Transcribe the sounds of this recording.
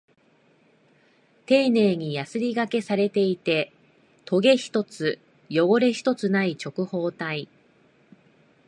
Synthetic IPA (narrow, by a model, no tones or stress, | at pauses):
t̪e̞ːne̞ːɲ̟ijasɨɾʲiɡake̞saɾe̞t̪e̞it̪e̞ | t̪ʰo̞ɡe̞çi̥t̪o̞t͡sɨ | jo̞ɡo̞ɾe̞çi̥t̪o̞t͡sɨnait͡ɕo̞kɯ̟ho̞ːt̪ai